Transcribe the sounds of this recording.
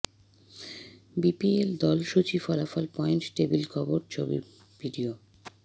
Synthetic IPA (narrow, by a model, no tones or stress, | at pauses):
bipield̪ɔlʃut͡ɕifɔlafɔlpɔenʈʈebilkʰɔboɾt͡ɕʰobḭ | b̥iɖio